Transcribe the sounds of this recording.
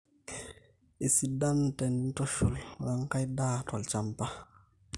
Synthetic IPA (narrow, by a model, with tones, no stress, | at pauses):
i˨si˨da˦ntɛ˨n˦tɔ˦ʃu˨lwa˦ŋka˦jdaː˦tɔ˨lt͡ʃa˦mpa˦